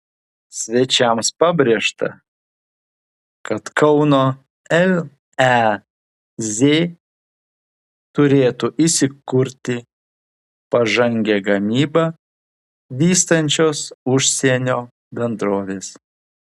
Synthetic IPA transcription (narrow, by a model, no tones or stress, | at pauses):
sʲʋʲɛt͡ʃʲɛmspɑbʲɾʲeɛʃt̪ɐ̰ | kɐt̪kʰɐʊnoː | ɛl | ɛ | zʲeː | t̪ʊɾʲeːt̪ʊʔɪsʲɪkʊɾʲt̪ʲɪ | pɐʒɐŋʲɡʲɛɡɐmʲiːbɐ | ʋʲiːst̪ɐnʲt͡ʃʲoːsʊʃʲsʲiɛnʲoː | bʲɛnd̪ɾoːʋʲeːs